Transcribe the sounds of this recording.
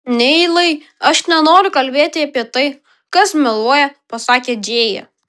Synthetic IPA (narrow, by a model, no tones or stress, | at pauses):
nʲɛɪlˠɐɪ | ɐʃnʲɛnoːɾʲʊkɐlʲbʲeːt̪ʲɪɐpʲiɛt̪ɐɪ | kɐsmʲɪlˠuɔjɛpɐsɑːkʲeːd͡ʒʲeːjɛ̰